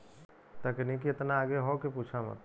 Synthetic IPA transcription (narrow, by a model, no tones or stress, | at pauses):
t̪akinikiɪt̪naːɡeɦokepuːt͡ʃʰamə̰t̪